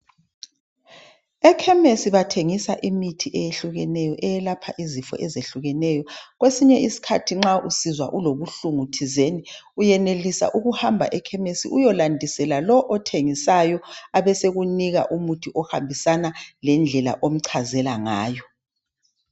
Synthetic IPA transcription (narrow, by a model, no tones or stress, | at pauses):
ɛkʰɛmesiβatʰeŋisaʔimitʰiʔɛjeɬuɣɛnɛjɔʔɛjɛlapʰa̰ʔizifɔ̰ʔɛzeɬuɣɛnɛjɔɣwesiɲɛisi̥kʰatʰiŋ͡ǁaʔusizwa̰ʔuloβuɬuŋutʰizeni | ujɛnelisa̰ʔuɣuhambʱa̰ʔɛkʰɛmesḭʔujɔlandʱisɛlalɔʔɔtʰeŋisajɔaβɛseɣuniɣa̰ʔumutʰiʔɔhambʱisanalɛnd͡ɮʱɛla̰ʔom̩ǀʰazɛlaŋa̰ːjɔ